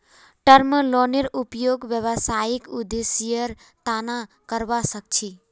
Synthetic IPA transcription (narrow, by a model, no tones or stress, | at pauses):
ʈəɾməloniɾupjoːɡʋjəʋəsaːikud̪esijəɾ | t̪aːna | kəɾʋasək̚t͡ʃʰi